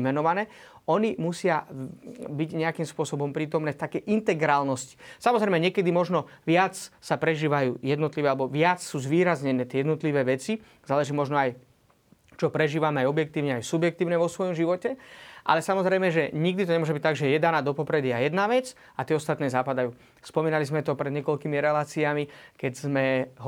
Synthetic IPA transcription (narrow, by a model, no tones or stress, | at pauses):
mɛnɔʋanɛː | ɔnimusɪa | biɟɲɛakimspʊɔsɔbɔmpɾiːt̪ɔmnɛːft̪akɛjʔint̪ɛɡɾaːlnɔsci̥samɔzɾɛjmɛɲɪɛkɛd̪imɔʒnɔʋɪat͡ssapɾɛʒiːʋajṵːjɛd̪nɔt̪liʋɛalɛbɔʋɪat͡ssuːzʋiːɾazɲɛnɛːt̪ɪɛjɛd̪nɔt̪liʋɛːʋɛt͡si | zaːlɛʒiːmɔʒnɔaj | t͡ʃɔpɾɛʒiːʋamɛajɔbjɛk̚t̪iːʊɲɛajsubjɛkt̪iːʊɲɛʋɔsʋɔjɔmʒiʋɔcɛʔa̰lɛsamɔzɾɛjmɛʒɛɲiɡ̚d̪it̪ɔɲɛmɔʒɛbict̪aɡʒɛjɛjɛd̪anaːd̪ɔpɔpɾɛd̪iajɛd̪naʋɛt͡s | at̪ɪɛɔst̪at̪nɛːzaːpad̪ajuː | spɔmiːnalizmɛt̪ɔpɾɛd̪ɲɛkɔlkiːmiɾɛlaːt͡siamikɛɟzmɛɦ